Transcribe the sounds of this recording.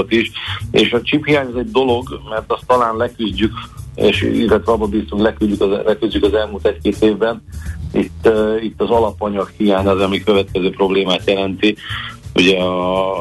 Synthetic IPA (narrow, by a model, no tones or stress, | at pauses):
ot̪iʃeːʃɒt͡ʃiphijaːɲɒzɛɟ̚d̪o̞lo̞ɡmɛrt̪ɒst̪ːɒlaːnlɛkyzɟykḛːʃḭɡɒt̪ʋɛɒbobiːst̪uŋklɛkylɟykɒlɛkyzɟykɒzɛlmult̪ɛckeːt̪eːvbɛnit̪ːit̪ːɒzɒlɒpɒɲɒkhijaːɲɒzɒmikø̞vɛt̪kɛzøːpro̞bleːmaːt̪jɛlɛnt̪iuɟɛɒ